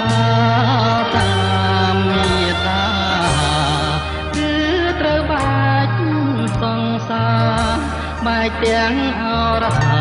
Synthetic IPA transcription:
a | saʔaamit̪aː | kɨːt̪rəwɓac̚ | sɑŋ | saː | ɓaɛk̚t̪ɛəŋʔajrɔt̪ʰa

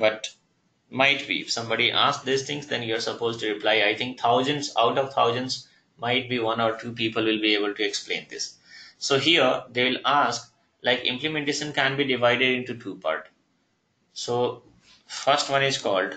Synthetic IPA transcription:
bʌʈ | maɪʈbḭːɪ̰fsʌ̃mbɔːɖiʔa̰ːsk̚d̪ist̪ʰɪ̃ŋzd̪ɛ̃njuəɾsəpoːzʈuɾɪplaɪaɪt̪ʰɪ̃ŋk̚t̪ʰaʊzə̃ɳʈsa̰ʊʈɔːʋt̪ʰaʊzə̃ɳʈs | maɪʈ̚biːʋʌ̃nɔːɾʈʰuːpiːpəlʋɪlbieːbəlʈueksplḛ̃ːnd̪ɪsːoːɦiəɾd̪eːʋɪlaːsk | laɪkɪ̰̃mplɪmẽɳʈeːʃə̃nkæ̃nbiːɖɪʋaɪɖeɖɪ̃ɳʈuʈʰuːpa̰ːɾʈ | soː | fʌɾsʈʋʌ̃nɪzkɔːlɖ

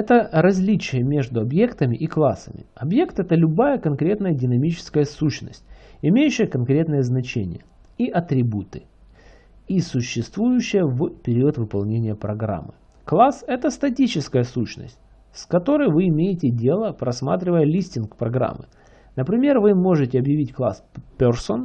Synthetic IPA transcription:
ɛt̪əɾɐzʲlʲit͡ɕɪjəmʲe̞ʐd̪ʊɐbje̞kt̪əmʲɪʔiklˠasə̰mʲɪ̰ɐbje̞kt̪ɛt̪əlʲʊbajəkɐnkɾʲe̞t̪nəjədʲɪnɐmʲit͡ɕɪ̥skəjəsuɕnə̰sʲtʲɪmʲejʉɕːɪjəkɐnkɾʲe̞t̪nəjəznɐt͡ɕenʲɪ̰jə̰ | iʔɐt̪ɾʲɪbut̪ɨ | isʊɕːɪst̪vujʉɕːɪjəvpʲɪɾʲiət̪vɨpɐlˠnʲenʲɪjəpɾɐɡɾa̰mːɨ̰ | klˠasɛt̪əst̪ɐtʲit͡ɕɪskəjəsuɕnə̰sʲtʲ | skɐt̪o̞ɾəjvɨɪmʲejɪtʲɪdʲelˠəpɾɐsma̰t̪ɾʲɪvəjəlʲisʲtʲɪnkpɾɐɡɾa̰mːɨ̰ | nəpɾʲɪmʲe̞rvɨmo̞ʐɨtʲɪɐbjɪvʲitʲklˠaspʲerson

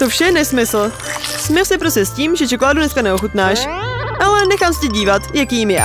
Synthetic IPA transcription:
t̪ofʃɛnɛsmɪsl̩ | smɪlsɛpɾoscɛsciːmʒɛt͡ʃɛkolaːdudnɛskanɛoxut̪naːʃʔalɛnɛxaːmsɛcɛɟiːvat̪jakiːmjɛ̰

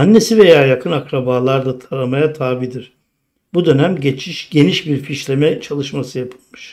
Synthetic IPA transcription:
anːe̞sive̞jaːjakʰɯnakɾabaːlˠaɾd̪at̪ʰaɾamajat̪ʰaːbid̪iɾ̥ | bud̪ø̞næmɟe̞t͡ʃʰiʃɟ̥e̞niʃbiɾfiʃlʲe̞mɛt͡ʃʰalˠɯʃmasɯjapʰɯ̥lˠmɯʃ

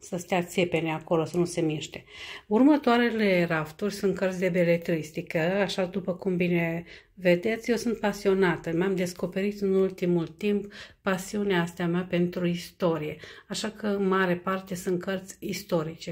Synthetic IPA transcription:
səst̪eat̪sepe̞neako̞lo̞sənuse̞miʃt̪e̞urmət̪oaɾe̞le̞ɾaft̪urʲsunt̪̚kərt̪sʲd̪e̞be̞le̞t̪ɾist̪ikəaʃad̪upəkumbine̞ | ve̞d̪e̞t̪sʲjewsɨnt̪̚pasio̞nat̪əmamd̪e̞sko̞pe̞ɾit̪ɨnult̪imult̪impːasiuneaːst̪eameape̞nt̪ɾuist̪o̞ɾije̞aʃakʰəɨnmaɾe̞part̪e̞sunt̪̚kʰərt̪zʲist̪o̞ɾit͡ʃe

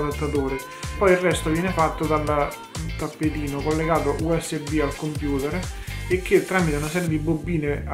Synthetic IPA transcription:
lat̪ːat̪oːɾe | pɔjirrːɛst̪ovjɛːnefat̪ːod̪al | t̪apːet̪iːnokolːeɡaːt̪oʔuɛsːebialkompjuːt̪eɾek̟ːet̪ːɾaːmit̪eunasɛːɾjed̪ibobːiːne

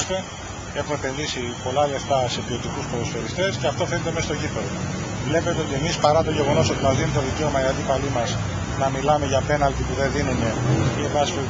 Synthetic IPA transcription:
fe | e̞xume̞pe̞nðisipo̞lɐle̞ft̪ɐse̞pio̞t̪ikuspoðosfeɾist̪esceɐft̪o̞fenet̪emesɐst̪oʝipeðovle̞pe̞t̪eo̞t̪ie̞mispɐɾɐt̪o̞ʝe̞ɣo̞no̞so̞t̪imɐzðinet̪oðice̞o̞mɐinɐd̪ipɐlimɐs | nɐmilɐmeʝɐpe̞nɐlt̪ipuðe̞nðinune̞iebɐsfe

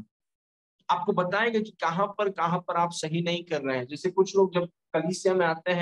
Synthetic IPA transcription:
aːp̚kobɐt̪aːẽːɡak̬ikɐɦãpɐɾkɐɦãpɐɾaːpsɐɦinɐɦĩkɐɾːɐɦeɦɛ̃d͡ʒɛːsekʊt͡ʃʰloːɡ̚d͡ʒɐb̚ | kɐliːsijamẽaːt̪eɦɛ̃

